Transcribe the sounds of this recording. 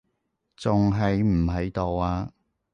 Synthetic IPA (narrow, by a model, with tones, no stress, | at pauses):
t͡sʊ˨ŋɦɐ˨jm̩˨˩ɦɐ˨˧jt̪o˨waː˧